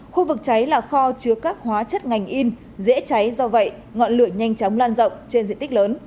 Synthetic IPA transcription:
xu˧vɨ˨˩k̚t͡ɕa˨˦jlaː˨˩xɔ˧t͡ɕɨ˨˦əkaː˦˥k̚hwaː˨˦t͡ɕə˦˥t̚ŋa˨˩jŋ̟ʔi˧n | zḛ˧˥t͡ɕa˨˦jzɔ˧və̰˧˨j | ŋɔ̰˧˨nlɨ˧˩əɲa˧jŋ̟t͡ɕɔ˨˦wŋ͡mlaː˧nzə̰˧˨wŋ͡mt͡ɕe˧nzḭ˧˨nt̪ï˦˥k̚ləː˨˦n

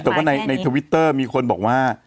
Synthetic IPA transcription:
t̪ɛː˨˩waː˥˩na˧jna˧jt̪ʰə˧wi˦˥t̪ːɤː˥˩miː˧kʰo˧nbɔ̰ː˨˩k̚waː˥˩

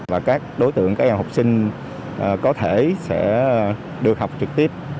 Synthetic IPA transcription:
vaː˨˩kaː˦˥k̚ɗo˨˦jt̪ɨ̰˧˨əŋkaː˨˥k̚ɲaː˨˩ha˨˩wk͡p̚sï˧ŋ̟ | ʔəː˨˩kɔ˨˦t̪ʰe˧˩sɛ̰˧˥ | ɗɨ˨˩ək̚ha˨˩wk͡p̚t͡ɕɨ˨˩k̚t̪i˦˥əp̚

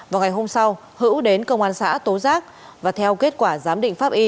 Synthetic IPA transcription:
vaː˨˩wŋa˨˩jɦo˧msa˧w | hɨ̰˧˥wɗe˨˦nkə˧wŋ͡mʔaː˧nsa̰ː˧˥t̪o˨˦zaː˦˥k̚ | vaː˨˩t̪ʰɛ˧wke˦˥t̚kwaː˧˩zaː˨˦mɗḭ˧˨ŋ̟faː˦˥p̚ʔi˧

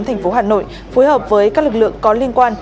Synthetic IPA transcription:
nt̪ʰɛ˨˩jŋ̟fo˨˦ɦaː˨˩no̰˧˨j | fo˨˦jhəː˨˩p̚vəː˨˦jkaː˦˥lɨ˨˩k̚lɨ̰˧˨əŋkɔ˨˦li˧ənkwaː˧n

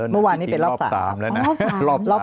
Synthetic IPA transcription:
mɯ˥˩˨waː˧nːiː˦˥pe˧nlɔː˥˩psa̰ː˩˨a̰ː˦˩˦lplɔː˥˩

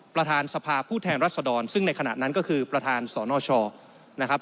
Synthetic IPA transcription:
pɾa˧t̪ʰaː˧nsa˧pʰaː˧pʰuː˥˩t̪ʰɛː˧nɾaː˥˩t̪̚sa˧dɔː˧nsɯ˥˩ŋna˧jkʰa˧na̰˨˩na˦˥nkɔː˥˩kʰɯː˧pɾa˧t̪ʰaː˧nsɔː˩˦nɔː˧t͡ɕʰɔː˧ | na˦˥kʰa˦˥p̚

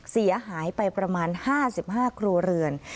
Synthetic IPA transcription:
si˩˦ɐɦaː˩˦jpa˧jpɾa˧maː˧nhaː˥˩si˨˩p̚haː˥˩kʰɾuː˧ɐɾɯ˧ən

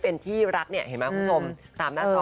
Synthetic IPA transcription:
pe˧nt̪ʰiː˥˩ɾa˦˥k̚ni˥˩ɐhe˨˩˦maː˦˥ku˦˥˦t͡ɕʰo˧mt̪aː˧mnaː˥˧

